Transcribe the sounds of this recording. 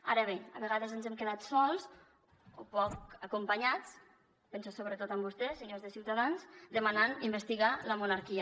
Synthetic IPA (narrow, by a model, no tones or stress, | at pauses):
aɾəβ̞eəβeɣaðəzənzɛmkeðat̪sɔlˠz | opɔkəkumpəɲat͡s | pensosoβɾət̪ot̪əmbust̪ɛseɲoɾzðəsiwt̪aðanzd̪əmananimbəst̪iɣaləmunaɾkiə